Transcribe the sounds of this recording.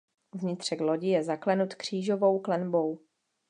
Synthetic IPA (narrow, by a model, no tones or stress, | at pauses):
vɲɪt̪r̝̥ɛklo̞ɟɪjɛzaklɛnut̪kr̝̥iːʒo̞vo̞wklɛnbo̞w